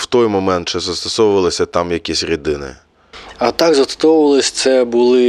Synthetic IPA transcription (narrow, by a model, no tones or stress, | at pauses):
w̥t̪ɔjmɔmɛnt̪̚t͡ʃɛzɐst̪ɔsɔʋʊʋɐlˠɪsʲɐt̪ɑmjɐkʲisʲɾʲid̪ɪnɪ̰ | ɐt̪ɑkzɐt̪st̪ɔwʊʋɐlˠɪsʲt̪sɛbʊlˠɪ